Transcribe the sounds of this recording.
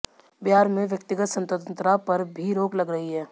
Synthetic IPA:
bɪɦaːɾmẽʋjək̚t̪ɪɡət̪sə̃nt̪əd̪ə̃nt̪ɾapɐɾbʱiɾoːklɐɡɾɐɦiɦɛː

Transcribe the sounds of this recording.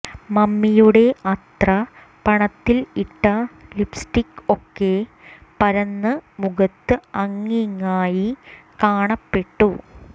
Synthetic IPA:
mɐmːijuɽe̞ʔɐt̪rɐ | pɐɳɐt̪ːiliʈːɐlipsʈikːokːe̞ | pɐɾɐnːɨmuɣɐt̪ːɨɐŋːiŋːaːjikaːɳɐpːe̞ʈːu

